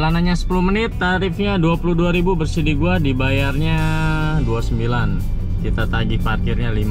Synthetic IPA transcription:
lanaɲasə̥puluhmənɪt̪ːaɾɪfɲaduapuluhduaɾibubərsidiɡuadibajarɲa | duasəmbilan | kit̪at̪aɡiparkirɲalima

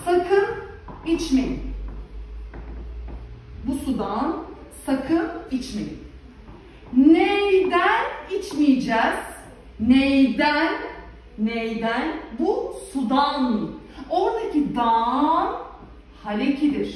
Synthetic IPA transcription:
sakʰɯnit͡ʃmejim | busud̪ansakʰɯnit͡ʃmḛjḭm | nejd̪ænit͡ʃmijid͡ʒɛːz̥ | nejd̪ænː | ejd̪ænbusud̪aːnɯ | o̞ɾd̪acʰid̪an | halʲecʰid̪iɾ̥

